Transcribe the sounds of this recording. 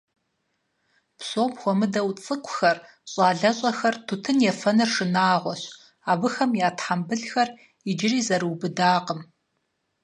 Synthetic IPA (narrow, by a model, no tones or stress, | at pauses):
psoːmxʷɔmɨdɐwt͡sʼɨkʷʰʼxɐr | ɕʼaːɮɐɕʼɐxɐrtʰutʰɨnjɛfɐnɨrʂɨnaːʁʷɔɕ | aːbɨxɐmjaːtʰħambɨɮxɐr | id͡ʒɪriːzɐɾɨwbɨdaːqəm